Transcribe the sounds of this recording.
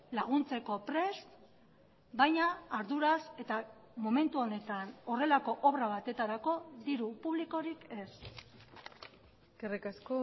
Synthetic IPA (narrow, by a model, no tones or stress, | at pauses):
laɣ̞unt͡se̞ko̞pɾe̞st̪ | bajɲaːɾðuɾase̞t̪a | mo̞me̞nt̪uo̞ne̞t̪ano̞re̞lako̞ʔoβɾaβat̪e̞t̪aɾako̞ðiɾupuβliko̞ɾike̞s | kerekasko